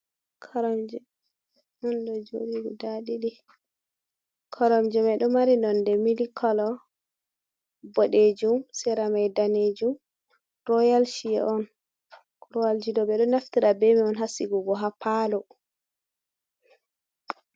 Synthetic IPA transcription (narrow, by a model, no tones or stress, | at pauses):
kʰɔɾɔmd͡ʒɛ | mɔnɗɔd͡ʒo̰ɗiɡɔdaɗiɗi | kʰɔɾɔmd͡ʒɛmajɗɔmaɾinɔndɛmilikʰɔlɔ | bɔɗed͡ʒumsɛɾamajdaned͡ʒum | ɾɔjalʃiɛ̰ʔɔn | ɾɔald͡ʒidɔbɛɗɔnaftiɾabɛmiɔnɦasiɡuɡɔɦapalɔ